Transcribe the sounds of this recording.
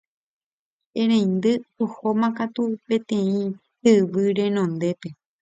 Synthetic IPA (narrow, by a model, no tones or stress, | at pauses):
ẽɾ̃ẽjnd̪ɨohomãkat̪upẽ̞t̪ẽ̞ĩ | hɨʋɨɾe̞nõnd̪e̞pe̞